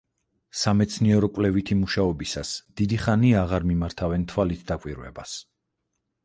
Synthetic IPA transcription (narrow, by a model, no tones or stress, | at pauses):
samɛt̪sʰniɛɾɔkʼwlɛvit̪ʰimuʃaɔbisasd̪̥id̪iχaniaʁaɾmimaɾt̪ʰavɛnt̪ʰwalit̪ʰd̪akʼwiɾvɛ̰bas